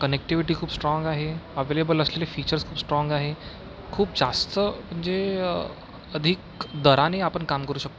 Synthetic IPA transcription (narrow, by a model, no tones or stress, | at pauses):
kənek̚ʈiʋiʈiːkʰuːbsʈɾɔ̃ŋɡaɦeəʋelebələslelefiːt͡ɕəɾskʰuːbsʈɾɔŋɡaɦe | kʰuːb̚d͡zast̪əm̤ə̃ɳd͡ze | əd̪ʱik | d̪əɾaneapəɳkamkəɾuːɕək̚t̪o